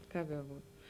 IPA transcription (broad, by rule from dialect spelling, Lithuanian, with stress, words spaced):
ˈkɐp bʲɛˈbuːt